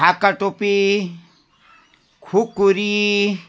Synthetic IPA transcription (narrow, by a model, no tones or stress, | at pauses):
akːaʈopi | kʰukːuɾi